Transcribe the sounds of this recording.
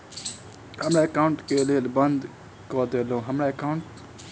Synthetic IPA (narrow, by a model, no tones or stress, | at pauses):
həmɾaːəkaːʊɳʈkeːleːlbənd̪ | koːd̪eːlõːɦəmɾaːəkaʊɳʈ